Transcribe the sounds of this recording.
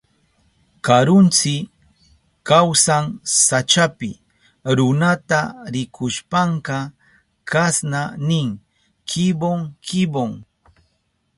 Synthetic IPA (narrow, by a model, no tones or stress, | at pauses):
kaɾʊnt͡sɪ | kawsaŋsat͡ʃapɪ̰ | ɾʊnat̪aɾɪkʰʊʃpaɴkɑ | kasnanɪŋ | kɪboŋkɪboŋ